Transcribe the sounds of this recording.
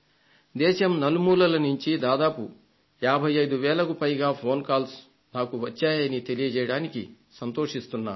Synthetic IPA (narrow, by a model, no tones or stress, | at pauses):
d̪ɛːʃɐmnɐlumuːlɐlɐnuɲt͡ʃid̪aːd̪aːpu | jaːbʱɐjɐjd̪uʋɛːlɐkupɐjɡaːpʰo̞ːnkaːls | naːkuʋɐt͡ʃːaːjɐnit̪e̞lijɐd͡ʒɛjɐɽaːniki | sɐnt̪o̞ːʂist̪unːaː